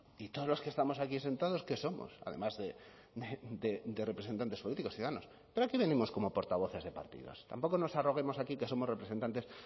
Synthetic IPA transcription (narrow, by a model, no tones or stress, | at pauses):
it̪oðozlo̞skest̪amo̞sakise̞nt̪aðo̞ske̞so̞mo̞̰sa̰ðe̞̰mazðe̞ | d̪ed̪ed̪e̞repɾeent̪ant̪e̞spo̞lit̪ikosθiuðaðano̞s | pe̞ɾoakiβe̞nimo̞sko̞mo̞po̞ɾt̪aβo̞θe̞zðe̞pa̰ɾt̪ḭðo̞̰st̪a̰mpo̞ko̞no̞saro̞ɣe̞mo̞sakike̞so̞mo̞zre̞pɾe̞se̞nt̪ant̪e̞s